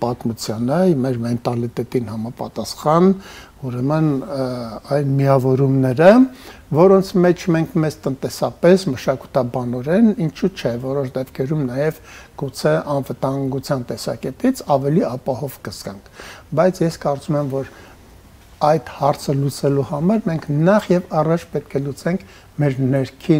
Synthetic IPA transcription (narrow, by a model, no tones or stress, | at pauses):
pɑt̪mut͡sʰjɑnəmɛɾmɛnt̪ɑlit̪ɛt̪inhɑmɑpɑt̪ɑsχɑn | uɾɛmən | ɑjnmiɑvɔɾumnɛɾə | vɔɾɔnt͡sʰmɛt͡ʃʰmɛŋkʰmɛzt̪ənt̪ɛsɑpɛsməʃɑku̥t̪ʰɑbɑnɔɾɛnint͡ʃʰut͡ʃʰɛvɔɾɔʃd̪ɛpkʰɛɾumnɑjɛvɡ̥ut͡sʰɛʔɑnvət̪ɑŋɡut͡sʰjɑnt̪ɛsɑ̰kɛt̪it͡sʰɑvɛliɑpɑhɔvkəz̥kɑŋkʰbɑjt͡sʰjɛskɑɾt͡sumɛmvɔɾ | ɑjt̪hɑɾt͡sʰəlut͡sɛluhɑmɑɾmɛŋkʰnɑχjɛvɑrɑt͡ʃʰpɛt̪̚kʰɛlut͡sɛŋkʰ | mɛɾnɛɾkʰi